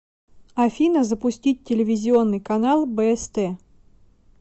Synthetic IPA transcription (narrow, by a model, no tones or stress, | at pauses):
ɐfʲinəzəpʊsʲtʲit̚ʲtʲːɪlʲɪvʲɪzʲɪo̞nːɨjkɐnalˠbɛɛst̪ɛ